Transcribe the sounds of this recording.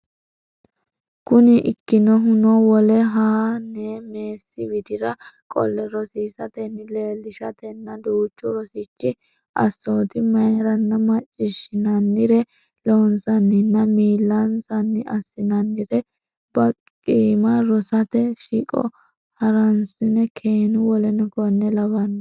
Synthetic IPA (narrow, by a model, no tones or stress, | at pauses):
kʊnɪʔɪkːɪnɔɦʊnɔwɔlɛɦaːnɛmeːsːɪwɪd̪ɪɾɐkʼɔ̰lːɛɾɔsiːsɐt̪ɛnːɪleːlɪʃɐt̪ɛnːɐd̪uːt͡ʃːɔɾɔsɪt͡ʃːɪ | ʔɐ̰sːoːt̪ɪmɐjɾɐnːɐmɐt͡ʃʼːɪʃɪnɐnːɪɾɛ | lonsɐnːɪnːɐmiːlːɐnsɐnːɪɐsːɪnɐnːɪɾɛ | b̥ɐ | kʼiːmɐɾɔsɐt̪ɛʃikʼɔ̰ | hɐɾɐnsɪnɛkʰeːnʊwɔlɛnɔkɔnːɛlɐβɐn